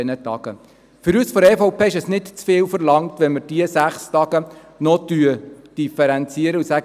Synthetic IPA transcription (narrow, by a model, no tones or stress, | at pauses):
ɛnətɑ̰ɡ̥ə | fʏɾysfɔɾɛːfɔʊpʰeːɪʃɛsnɪdt͡sfɪːwfəɾlɑŋtʋɛnməɾd̥iəsæχstɑɡ̥ə | nɔtyəd̥ifɛɾɛnt͡siəɾəusæɡ